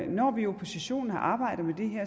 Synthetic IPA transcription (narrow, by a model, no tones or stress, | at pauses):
nɒ̰ːʋiopʰo̝siɕo̝̰ːn̩hɑ̈ʔɑ̈ːb̥ɑ̈ɪ̰d̥ð̩ˠmed̥e̝ɦeɐ̰